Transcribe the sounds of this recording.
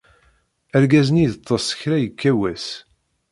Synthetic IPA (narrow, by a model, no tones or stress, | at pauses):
æɾɡæznijət̪ˤːɑsˤːə̥çɾæjəkːæwæs